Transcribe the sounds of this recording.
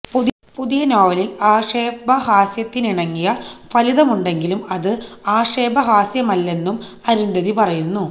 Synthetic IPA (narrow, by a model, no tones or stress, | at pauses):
pu | puðijɐnoːʋɐlilaːʂeːbɐɦaːsjɐt̪ːiniɳɐŋːijɐʋɐliðɐmuɳɖe̞ŋɡilumɐðɨaːʂeːbʱɐɦaːsjɐmɐlːe̞nːum | ɐɾund̪ɐðipɐrɐjunːu